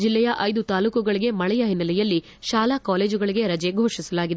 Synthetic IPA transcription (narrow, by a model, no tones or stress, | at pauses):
d͡ʒilːɛjɐʔɐjd̪ut̪aːluːkuɡɐɭiɡe̞mɐɭɛjɐɦinːɐlɛjɐlːi | ʃaːlakaːle̞ːd͡ʒuɡɐɭiɡe̞ɾɐd͡ʒeɡʱoːʂisɐlaːɡid̪e